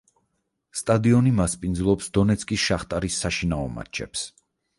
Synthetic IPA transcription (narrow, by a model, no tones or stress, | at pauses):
st̪ʼad̪iɔnimaspʼind̪zlˠɔpsd̪ɔnɛt̪sʰkʼisʃaχt̪ʼaɾisːaʃinaɔma̰t͡ʃʰɛ̰ps